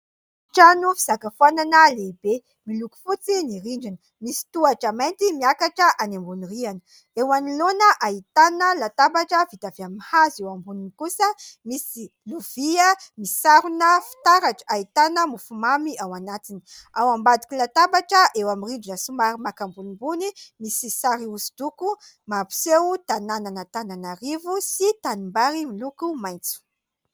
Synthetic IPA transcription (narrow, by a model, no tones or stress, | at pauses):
ʈ͡ʂanufiz̥akafananaleibe | miluku̥fut͡siniɾiɳɖ͡ʐunə | misi̥t̪uaʈ͡ʂamejnt̪imiakaʈ͡ʂəʔanambunirianə | ewanilonəʔaɦit̪anəlat̪abaʈ͡ʂəvit̪aveamihazewambuninikusəmisi | luviəmisaɾunəfi̥t̪aɾaʈ͡ʂə̥ait̪anəmufumamiawanat̪ini̥awambad̪i̥kilat̪abaʈ͡ʂəʔewamirid͡ʒunəsumaɾimakambunimbunimisisaɾiusi̥d̪̥uku | mapu̥sewt̪anananət̪ananaɾivusit̪animbaɾimilukumajnt͡su̥